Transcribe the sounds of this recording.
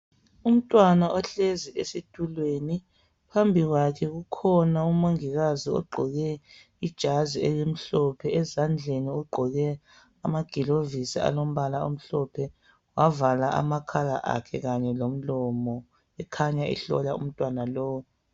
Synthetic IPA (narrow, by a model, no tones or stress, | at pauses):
um̩tʼwanaʔɔɬeziʔesitʰʼulweni | pʰambʱiɣwakʰɛɣukʰɔnaumoŋiɣaziɔ̰ɡ͡ǃʱɔɣɛ | id̥ʒ̥ʱaziɛjem̩ɬɔpʰɛɛzand͡ɮʱeniɔɡ͡ǃʱɔɣɛ | amaɡ̥ʱilovisḭa̰lom̩βalao̰m̩ɬɔpʰɛ | wavalaʔa̰makʰala̰ʔa̰kʰɛɣaɲɛlom̩lɔmɔ | ɛkʰaɲaɛ̰ɬɔ̰laṵm̩tʼwanalɔːwɔ